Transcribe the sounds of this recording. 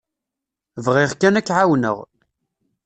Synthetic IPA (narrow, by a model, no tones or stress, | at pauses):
vʁiʁkænækːʕawnə̰ʁ